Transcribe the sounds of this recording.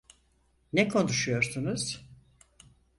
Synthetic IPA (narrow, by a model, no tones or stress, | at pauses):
nɛkʰo̞nuʃujo̞ɾsunuz̥